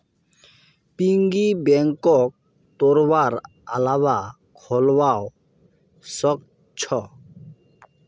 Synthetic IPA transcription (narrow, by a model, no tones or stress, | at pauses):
piŋɡibɛŋkɔk̚ | t̪oɾbaɾ | a̰laba | kʰɔlwao | sɔk̚ | t͡ɕʰɔ